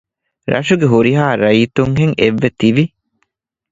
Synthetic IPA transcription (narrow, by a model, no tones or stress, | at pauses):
ɾʔɐ̰ʃuɡeɦuɾiɦaːɾɐit̪uŋɦeŋeʋːet̪iʋi